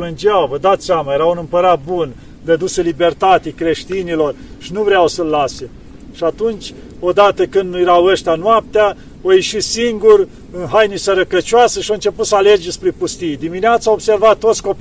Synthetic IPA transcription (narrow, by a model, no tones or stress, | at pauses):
lɨnd͡ʒeawvəd̪at̪samajeɾawunɨmpəɾat̪̚bun | d̪ed̪usəlibe̞rt̪at̪ekɾe̞ʃt̪inilo̞rʃinuvɾeawsəlːase | ʃiat̪unt͡ʃʲ | o̞d̪at̪əkɨnd̪njeɾawəʃt̪eanoap̚t̪ea | ojeʃitsiŋɡur | ɨnɦajnisəɾəkət͡ʃoasəʃioɨnt͡ʃe̞put̪səaled͡ʒespɾepust̪ijd̪imineat̪sawobse̞rvat̪ːot̪sʲko̞p